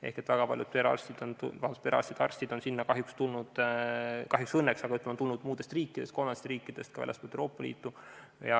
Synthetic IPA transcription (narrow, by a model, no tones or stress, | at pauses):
e̞̰hke̞t̪ːvæɡ̥ɑpɑ̰ljud̪̚peɾɑ̰rst̪id̪̥ont̪ṵvɑt̪̚peɾɑ̰st̪id̪̥ɑ̰rsʲt̪id̪o̞nsinːɑkɑɦjukst̪ulnud̪̥ | kɑɦjuksɤnːeksɑɡ̥ɑyt̪lemont̪ulnud̪̥muːd̪̥e̞st̪riːkːˑid̥̪e̞st̪ko̞lmɑnest̪riːkːid̪̥e̞st̪kɑvæ̰lʲʔestpolt̪eoːpːˑɑlḭːt̪ːˑu | jɑ